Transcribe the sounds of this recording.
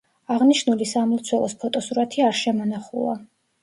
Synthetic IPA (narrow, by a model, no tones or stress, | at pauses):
aʁniʃnulisamult̪sʰwɛlˠɔ̰spʰɔt̪ʼɔsuɾat̪ʰiaɾʃɛmɔnaχulˠa̰